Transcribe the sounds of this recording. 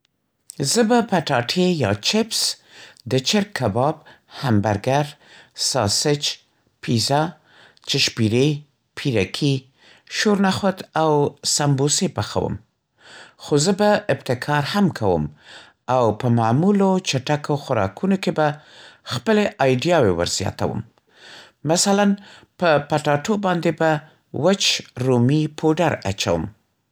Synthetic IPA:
zəbapaʈɑʈʰejɑ̰t͡ʃɪps | d̪ət͡ʃɪɾkʰːabɑb̚ | hamba̰ɾɡaɾsɑ̰sɪt͡ʃ | pʰiza | t͡ʃɪʃpiɾe | pʰiɾakʰi | ʃoɾnaxot̪awsambosepaxa̰wə̰m | xozəbaɪbt̪ɪkʰɑɾhamkʰawə̰m | awpəmamulot͡ʃaʈakoxʊɾɑ̰kʰunokebaxpəleʔɑjɖjɑwewə̰ɾz̥jɑ̰t̪a̰wə̰mː | asalan | pəpaʈɑʈobɑnd̪eba | wət͡ʃɾomipʰoɖaɾat͡ʃa̰wə̰m

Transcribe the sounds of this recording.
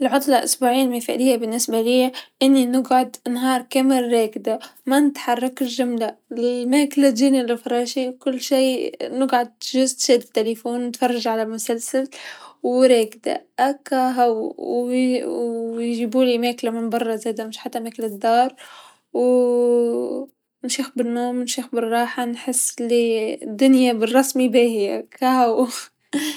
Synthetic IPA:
ʔɪlʕʊt̪ˤlɑlʔʊ̰sbuːʕiːnmajfa̰ʔliːjabɪnːɪsbaliːʔɪnːinɪɡʕʊd̪nɦɑːɾˤkamɪɾːeːkd̪amanɪt̪ħɑrˤːɑkɪlʒʊmlalmeːklad͡ʒiːnilɪfɾˤɑːʃiwkʊlːʃiːnɪɡʕʊd̪̚ʒʊzt̪ʃeːd̪ɪt̪ːelefuːnnɪt̪fɑrˤːɑʒʕalalmʊsalsalwɾeːkd̪a̰ʔakːɑɦaw | jʒibuːlimæːklamɪnbɑrˤːɑzæːd̪amɪʃħat̪ːæʔmæːklad̪ːɑːɾˤ | w | nʃiːxbɪnːoːmnʃiːxbɪrˤːɑːħanħɪsːlid̪ːʊnjabɪrˤːɑsmibæːhɪjakɑhaw

